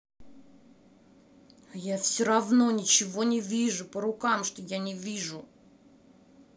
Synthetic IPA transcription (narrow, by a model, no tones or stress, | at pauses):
jafsʲoɾɐvno̞nʲɪt͡ɕɪvo̞nʲɪvʲiʐʊpəɾʊkamʂt̪ojanʲɪvʲiʐʊ